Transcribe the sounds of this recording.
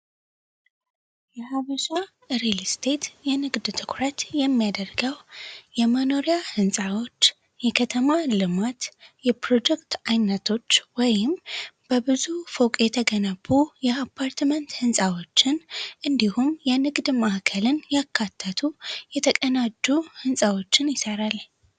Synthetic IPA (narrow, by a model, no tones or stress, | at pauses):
jɛhaβəʃa | ɾelst̪ʰe̞t̪jɛnɨɡd̪t̪ʰɨkʰɾət̪jɛmːijad̪ərɡəwjɛməno̞ɾijahɨnsʼawo̞t͡ʃː | jɛkʰət̪ʰəmalɨmat̪jɛpɾo̞d͡ʒɛkt̪ajnːət̪ʰo̞t͡ʃːwɔjɪmb̥əbɨzufokʼjɛt̪ʰəɡənəbːujɛapʰːaɾt̪mənt̪hɨnsʼawo̞t͡ʃːɪnʔɨnd̪ihumjɛnɨɡd̪mahkʰəlɨnjakʰːat̪ʰːət̪ʰujɛt̪ʰəkʼənad͡ʒuhɨnsʼawo̞t͡ʃːɪnjɪsəɾal